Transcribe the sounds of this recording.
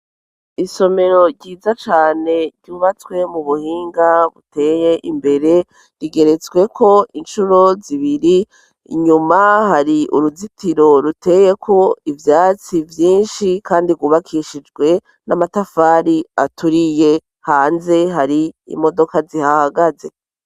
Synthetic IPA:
iso̞me̞ɾo̞ɾɟiːzat͡ʃaːne̞ɾɟuːβat͡swe̞muβuhiːŋɡaβute̞ːje̞ʔimbe̞ɾe̞ | ɾiɡe̞ɾe̞t͡sɡwe̞kʰo̞ʔinʃuɾo̞ziβiɾi | ɲumahaɾiʔṵɾuzitiɾo̞ɾute̞je̞kʰo̞ivjaːt͡sivjiːnʃikʰaːndiɡuːβakʰiːʃid͡ʒɡwe̞ | namatafaːɾiatuɾije̞ | haːnze̞ɦaɾiḭmo̞do̞kazihahaɡaze̞

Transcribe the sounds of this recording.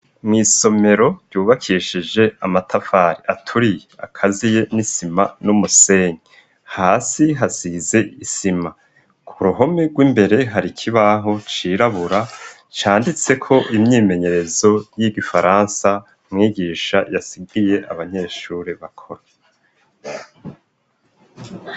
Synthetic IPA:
mŋiːso̞me̞ɾo̞ɟɟuːβakʰiʃid͡ʒe̞amatʰafaːɾiʔatʰuɾijea̰kʰazije̞nisimanumuse̞ːɲi | haːsiɦasize̞isima | kʰuɾuɦo̞meɡwiːmbe̞ɾe̞ɦaɾikʰiβaɦo̞t͡ʃiːɾaβuɾa | t͡ʃaːndit͡se̞kʰo̞ʔimɲiːme̞ɲe̞ɾe̞zo̞jiɡifaɾaːnsa | mŋiːɡiːʃajasiɡije̞ʔaβaɲe̞ːʃuːɾeβakʰo̞ɾa

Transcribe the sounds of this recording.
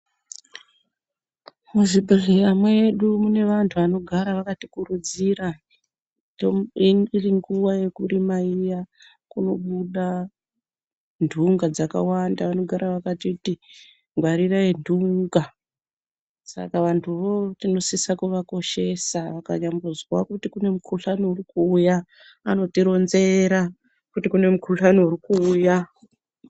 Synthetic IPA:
muʐiɓereamweːɗumune̞ʋantʰuʋano̞ɡʱaɾaʋakatikurud͡zira | oiiriŋɡuwaje̞kurimaija | kuno̞ɓuɗa | ndʱuŋɡad͡zaka̰wandaʋano̞ɡʱaɾaʋakatiuti | ŋɡwaɾiraendʱuŋɡa | sa̰kaʋantʰuʋo̞tino̞sisakuʋako̞ʃe̞saʋaka̰ɲambuzwakutikune̞mukʰuɬanouɾikuːja | ano̞tiɾo̞nze̞ɾa | kutikune̞mukuɬanourikuːja

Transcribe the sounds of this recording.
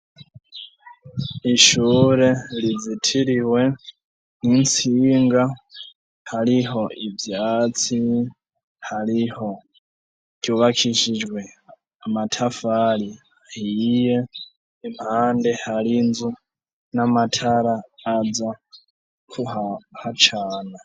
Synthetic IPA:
iʃuɾelid͡zitʰiɾiwe̞ | nint͡siːŋɡa | haɾiɦo̞ivjat͡si | haliho̞ | ɟ̥uβakʰiʃid͡ʒwe | amatʰafali | ahijeː | mhaːndehalinzu | namatʰaɾaːd͡za | kʰuhahat͡ʃʰaːna

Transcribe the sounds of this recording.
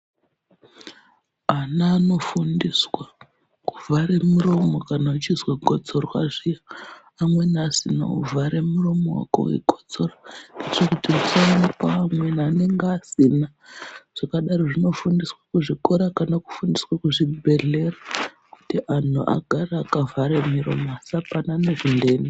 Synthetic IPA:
anaːno̞fundiswa | ku̥vʱaɾe̞muro̞mo̞kanaut͡ʃizweɡʱot͡sorwaʐijaː | mwe̞nːsina̰ṵvʱaɾe̞muro̞mo̰wa̰ko̰wḭɡʱo̥t͡so̞ranɡet͡ʃekutirusaanipaːmwe̞nane̞ŋɡasina | ʐ̥akaɗaɾoʐino̞fundiswakuʐiko̞ɾakanaku̥fundiswakuʐibʱe̞ɮe̞ra | kutiʔan̤ṵʔa̰ɡʱaraːkavʱaɾemiɾo̞̰moasapananeʐinde̞ːni

